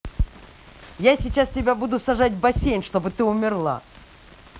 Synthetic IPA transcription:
jasʲɪt͡ɕːastʲɪbʲabud̪ʊsɐʐatʲbɐsʲejnʲʂt̪o̞bɨt̪ɨʊmʲɪrlˠa̰

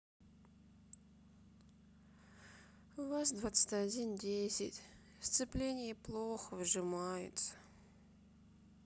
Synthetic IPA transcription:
vasd̪vat̪sɨ̥tʲadʲindʲesʲɪ̰tʲ | st̪sɨplʲenʲɪjəplˠoxəvʐɨmajɪ̰t̪sə̥

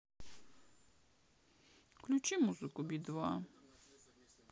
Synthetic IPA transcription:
klʲut͡ʃimuzɨkʊbʲid̪va

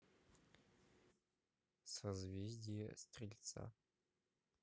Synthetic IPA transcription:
sɐzvʲezʲdʲijɛstʰrʲilʲt͡sʰʼa̰

